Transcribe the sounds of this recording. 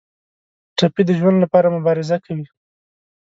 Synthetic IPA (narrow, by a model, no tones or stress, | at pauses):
ʈapid̪əʒwand̪lapɑɾamʊbɑɾɪzakawi